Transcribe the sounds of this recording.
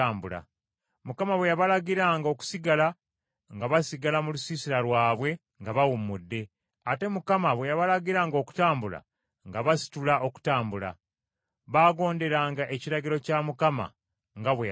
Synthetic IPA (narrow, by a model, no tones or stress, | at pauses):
aːmbula̰ | mukamaβwe̞jaβalaɟiɾaːŋɡo̞ːku̥siɡala | ŋɡaβasiɡalamulusiːsiɾaɾwaːβwe̞ | ŋɡaβawumudːe̞ | ate̞mukamaβwe̞jaβalaɟiɾaːŋɡo̞ːku̥taːmbula̰ | ŋɡaβasi̥tulao̞ku̥taːmbula̰ | βaːɡo̞ːnde̞ɾaːŋɡaʔe̞ciɾaɟiɾo̞camukama̰ | ŋɡaβwe